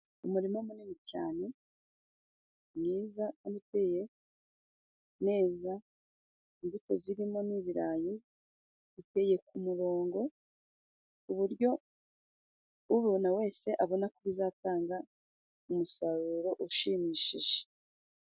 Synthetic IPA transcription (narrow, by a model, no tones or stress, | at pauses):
umuɾimamuninica̰ːne̞ | mŋiːzaamite̞je̞ | ne̞ːza | iŋɡutoziɾimo̞niːβiɾaːjo | βite̞je̞kumuɾo̞ːŋɡo̞ | uβuɾɟo̞ | uβunawe̞ːse̞ʔaβo̞nakuβizaːtaːŋɡa | umusaɾuɾo̞ʔuʃimiːʃḭʒe̥